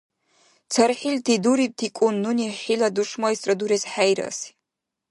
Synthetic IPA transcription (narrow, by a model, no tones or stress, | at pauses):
t͡sʰarħiltʰiduɾip̚tʰikʷʼʊnːuniħiladuʂmaisʼraduɾezħajɾa̰si̥